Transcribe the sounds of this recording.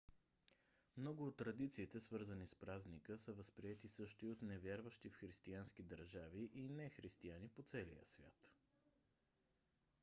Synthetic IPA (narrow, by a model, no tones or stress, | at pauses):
mnɔɡʊot̪ːɾɐd̪it̪siːt̪ɛsvɤɾzənispɾaznikəsəvəspɾiɛt̪isɤʃt̪oiot̪nɛvʲjaɾvəʃt̪ifxɾist̪iansk̟id̪əɾʒaviʔinɛxɾist̪ianipot̪sɛlḭjə̰svʲja̰t̪